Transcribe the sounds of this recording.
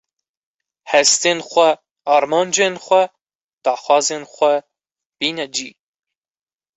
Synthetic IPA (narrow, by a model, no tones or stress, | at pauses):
hɛst̪eːnxʷɛ | ɑːɾmɑːnd͡ʒeːnxʷɛ | d̪̥ɑːxwɑːzeːnxʷɛ | b̥iːnɛd͡ʒiː